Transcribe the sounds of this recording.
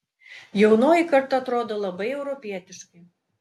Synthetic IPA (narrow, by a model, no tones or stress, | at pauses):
jɛʊnoːjikɐɾt̪ɐt̪ɾoːd̪olˠɐbɐɪɛʊɾɔpʲiɛt̪ʲɪʃkʲɪ